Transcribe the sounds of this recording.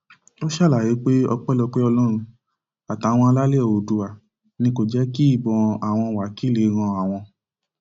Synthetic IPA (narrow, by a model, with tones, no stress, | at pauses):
o˦ʃa˦˨la˨je˨˦k͡pe˦ɔ̰˧k͡pɛ˦lɔ˧k͡pe˦ɔ˧lɔ˦ɾ̃ũ˧ | a˨ta˨˦w̃ɔ̃˧a˧la˦le˦˨o˨du˧˨a˨ | nĩ˧ko˦˨d͡ʒɛ˦ki˦i˦˨bɔ̃˧a˨w̃ɔ̃˧wa˨ki˦le˨˦ɾ̃ã˧a˨w̃ɔ̃˧